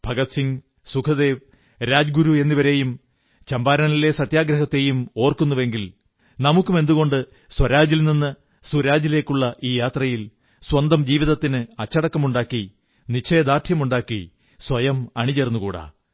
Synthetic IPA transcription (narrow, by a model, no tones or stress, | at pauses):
b̥ʱɐɡɐt̪siŋ | sukʰɐðe̞ːʋ | ɾaːd͡ʑɡuɾue̞nːiʋɐɾe̞jum | t͡ɕɐmbaːɾɐnile̞sɐt̪jaːɡɾɐɦɐt̪ːe̞jumo̞ːrkunːuʋe̞ŋɡil | nɐmukːume̞nd̪uɣo̞ɳɖɨ | swɐɾaːd͡ʑilninːɨ | suɾaːd͡ʑile̞ːkːuɭːɐʔiːjaːt̪rɐjil | swɐnd̪ɐmd͡ʑiːʋiðɐt̪ːinɨɐt͡ɕːɐɽɐkːɐmuɳɖaːkːi | nit͡ɕʰe̞ːd̪aːʈ̪ʰjɐmuɳɖaːkːi | swɐjɐmɐɳit͡ɕernːukuːɽa̰ː